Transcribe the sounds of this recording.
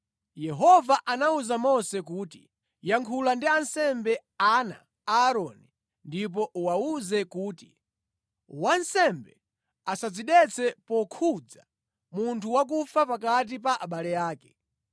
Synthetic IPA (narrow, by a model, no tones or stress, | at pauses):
jɛɦɔvaʔanauzamɔsɛkuːti | jaŋkʰulandiansɛmbɛ | ana̰ | aːɾɔni | ndip̬ɔʔwauzɛkuːti | wansɛmbɛ | asad͡ziɗɛt͡sʰɛpɔkʰud͡za | muntʰuwak̬ufapakat̬ipaʔaɓalɛjaːkɛ̥